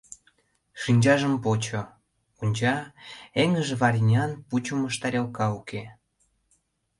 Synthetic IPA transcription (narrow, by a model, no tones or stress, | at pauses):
ʃinʲd͡ʑɑʒəmpot͡ɕo | unʲt͡ɕɑeŋəʒeβɑɾʲinʲɑnput͡ɕuməʃt̪ɑɾʲelkɑuke